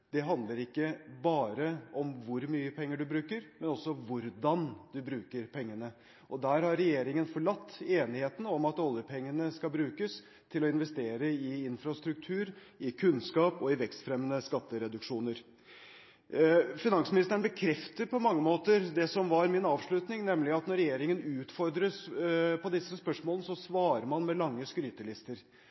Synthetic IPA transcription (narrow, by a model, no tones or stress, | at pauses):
d̪ɛɦɑnd̪ləɾɪkːəbɑːɾəɔmʋʊɾmyːəpʰɛŋːəɖʉbɾʉːkəɾmɛnɔsːɔʋʊɾd̪ɑnd̪ʉbɾʉːkəɾpʰɛŋːənə | ʔɔd̪æːɾhɑɾːɛjeːɾɪŋənfɔɭɑt̪ːeːnɪheːt̪n̩ɔmɑt̪ɔlˠjəpʰɛŋːənəskɑbɾʉːkəs | t̪ʰɪlɔɪnʋɛst̪eːɾəɪɪnfɾɑst̪ɾʉk̚t̪ʰʉːɾɪkʰʉnskɑːpɔɪʋɛkst̪fɾɛmːənəskɑt̪ːəɾɛd̪ʉkʂuːnəɾ | fɪnɑŋsmɪnɪst̪əɳbəkʰɾɛft̪əɾpʰɔmɑŋːəmoːt̪əɾd̪ɛsɔmʋɑɾmɪnɑːʋʂɭʉt̪nɪŋnɛmlɪɑt̪nɔɾɛjeːɾɪŋənʉːt̪fɔɾd̪ɾəspʰɔd̪ɪsːəspœʂmoːlənəsɔsʋɑːɾəɾmɑnmɛlɑŋːəskɾyːt̪əlɪst̪əɾ